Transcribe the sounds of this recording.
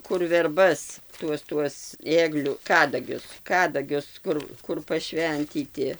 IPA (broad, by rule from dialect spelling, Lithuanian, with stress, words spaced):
kʊr ʋʲɛrˈbɐs ˈtuɔs tuɔs ˈeːɡlʲʊ ˈkɑːdɐɡʲʊs ˈkɑːdɐɡʲʊs ˈkʊr ˈkʊr pɐˈʃʲʋʲɛnʲtʲiːtʲɪ